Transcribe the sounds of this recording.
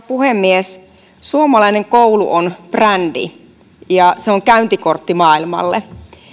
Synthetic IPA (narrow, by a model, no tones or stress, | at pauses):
puhemːies | suomɑlɑineŋkoulṵʔonprændḭ | jɑseoŋkæynt̪ikort̪ːimɑːilmɑ̰lːḛ